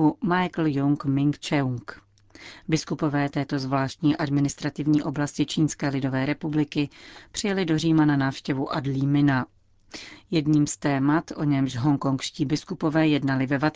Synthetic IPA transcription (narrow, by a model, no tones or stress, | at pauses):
umajkl̩jʊŋkmɪŋkt͡ʃɛwŋk | bɪskupo̞vɛːt̪ɛːt̪o̞zvlaːʃt̪ɲiːʔadmɪnɪst̪ɾat̪ɪvɲiːʔo̞blascɪt͡ʃiːnskɛːlɪdo̞vɛːɾɛpublɪkɪpr̥ɪjɛlɪdo̞riːmananaːfʃcɛvuʔadliːmɪna | jɛdɲiːmst̪ɛːmat̪ʔo̞ɲɛmʃɦo̞ŋko̞ŋkʃciːbɪskupo̞vɛːjɛdnalɪvɛvat̪